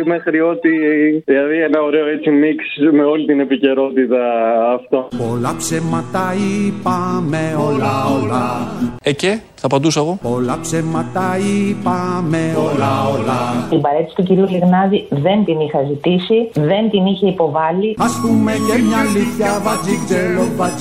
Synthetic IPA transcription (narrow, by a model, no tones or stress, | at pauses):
mexɾio̞t̪iðilɐðienɐoɾeoet͡simiksme̞o̞lit̪ine̞pice̞ɾo̞t̪it̪ɐːft̪opo̞lɐpsemɐt̪ɐipɐmeo̞lɐolɐece | θɐpɐd̪usoeɣo̞po̞lɐpsemɐt̪ɐipɐme̞o̞lɐolɐibɐɾe̞t̪i̥si̥t̪uciɾiuliɣnɐðiðe̞nt̪inixɐzit̪isiðe̞nt̪iniçe̞ipo̞vɐliɐspumecemɲɐliθçɐvɐzikzelovɐ